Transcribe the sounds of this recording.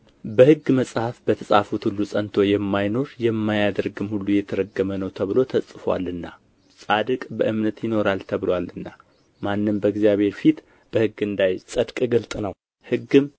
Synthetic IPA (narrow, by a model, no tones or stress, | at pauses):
bəhɨɡːməsʼhafbət̪ʰəsʼafut̪hulːusʼənt̪ʰo̞jɛmːajno̞ɾjɛmːajad̪ɾɡɨmhulːujɛt̪ʰəɾəɡːəmənəwt̪ʰəβɨlo̞t̪ʰəsʼfwa̰lɨnːa̰ | sʼad̪ɨkʼbəʔɨmnət̪jɪno̞ɾalt̪ʰəβɨlwalɨnːa | manːɨmbəɨɡzijaβhe̞ɾfit̪ | b̥əhɨɡɨnd̪ajsʼəd̪kʼɡɨlt̪ʼnəw | hɨɡːɨm